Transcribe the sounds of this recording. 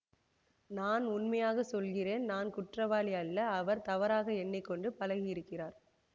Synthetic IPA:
naːnʊnmɐjaːɣɐsɔlɣɪreːnnaːnkʊʈrɐʋaːlɪjɐlːɐːʋɐɾt̪ɐʋɐɾaːɣɐɛnːɪkːɔɳɖɯpɐlɐɣɪɪɾɯkːɪraːɾ

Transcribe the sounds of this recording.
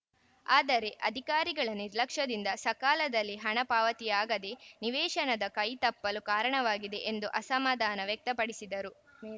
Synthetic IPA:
aːd̪ɐɾe̞ʔɐd̪ʱikaːɾiɡɐɭɐniɾlɐkʂɐd̪ind̪ɐsɐkaːlɐd̪ɐlːiɦɐɳɐpaːʋɐt̪ijaːɡɐd̪e̞niʋɛːʃɐnɐd̪ɐkɐjt̪ɐpːɐlukaːɾɐɳɐʋaːɡid̪e̞ʔend̪uʔɐsɐmaːd̪ʱaːnɐʋjɛk̚t̪ɐpɐɽisid̪ɐɾu

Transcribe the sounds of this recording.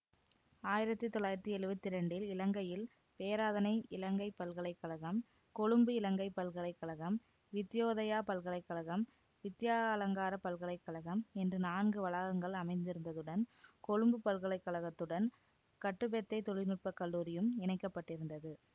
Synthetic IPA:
aːjɪɾɐt̪ːɯt̪ːɔlːaːjɪɾɐt̪ːɯɛɻɯbɐt̪ːɪɾɐɳɖɪlɪlɐŋɡɐjɪl | peːɾaːðɐnɐɪɪlɐŋɡɐɪpːɐlɣɐɭɐɪkːɐɭɐɣɐm | kɔɻɯmbɯɪlɐŋɡɐɪpːɐlɣɐɭɐɪkːɐɭɐɣɐm | ʋɪt̪ːɪjoːðɐjaːpɐlɣɐɭɐɪkːɐɭɐɣɐm | ʋɪt̪ːɪjaːɐlɐŋɡaːɾɐpɐlɣɐɭɐɪkːɐɭɐɣɐmɛndrɯnaːnɡɯʋɐɭaːɣɐŋɡɐɭɐmɐɪnd̪ɪɾɯnd̪ɐðɯɽɐnkɔɻɯmbɯpɐlɣɐɭɐɪkːɐɭɐɣɐt̪ːɯɽɐn | kɐʈːɯpɛt̪ːɐɪt̪ɔɻɪnɯʈ̚pɐkːɐɭːuːɾɪjɯmɛnɐɪkːɐpːɐʈːɪɾɯnd̪ɐðɯ

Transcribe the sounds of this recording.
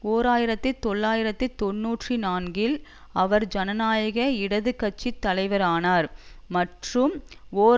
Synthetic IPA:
oːɾaːjɪɾɐt̪ːɯt̪ːɔɭːaːjɪɾɐt̪ːɯt̪ɔnːuːʈrinaːnɡɪl | ɐʋɐɾd͡ʒɐnɐnaːjɐɣɐɪɽɐðɯkːɐt͡ʃːit̪ːɐlɐɪʋɐɾaːnaːɾmɐʈrɯmoː

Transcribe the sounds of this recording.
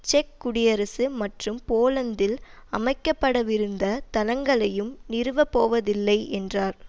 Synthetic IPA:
t͡ʃɛkːʊɽɪjɐɾɐsɯmɐʈrɯmpoːlɐnd̪ɪlɐmɐɪkːɐpːɐɽɐʋɪɾɯnd̪ɐt̪ɐnɐŋɡɐɭɐjɯmnɪɾɯʋɐpːoːʋɐðɪlːɐɪʔɛndraːɾ

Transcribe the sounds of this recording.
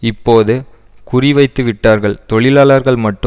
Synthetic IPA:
ɪpːoːðɯ | kʊrɪʋɐɪt̪ːɯʋɪʈːaːɾɣɐɭt̪ɔɭɪlaːɭɐɾɣɐɭmɐʈːɯ

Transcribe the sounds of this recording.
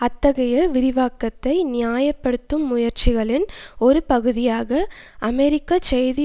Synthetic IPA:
ɐt̪ːɐɣɐjɐʋɪɾɪʋaːkːɐt̪ːɐɪnɪjaːjɐpːɐɽɯt̪ːɯmːʊjɐɾt͡ʃɪɣɐɭɪnɔɾɯpɐɣɯðɪjaːɣɐ | ɐmɛɾɪkːat͡ʃɐjðɪ

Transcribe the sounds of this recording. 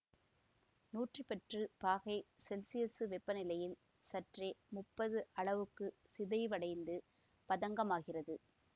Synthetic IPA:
nuːʈrɯpɛʈrɯpaːɣɐɪsɛlsɪjɛsɯʋɛpːɐnɪlɐjɪl | sɐʈreːmʊpːɐðɯʔɐɭɐʋɯkːɯ | sɪðɐɪʋɐɽɐɪnd̪ɯ | pɐðɐŋɡɐmaːɣɪrɐðɯ

